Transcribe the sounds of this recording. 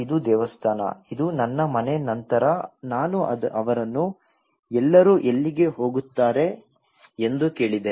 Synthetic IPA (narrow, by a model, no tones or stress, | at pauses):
id̪ud̪ɛːʋɐst̪ʰaːnɐ̰id̪unɐnːɐmɐnenɐnt̪ɐɾɐnaːnuɐʔɐʋɐɾɐnːu | ɛlːɐɾuːʔelːiɡe̞ɦo̞ːɡut̪ːaːɾe̞ | end̪uke̞ːɭid̪e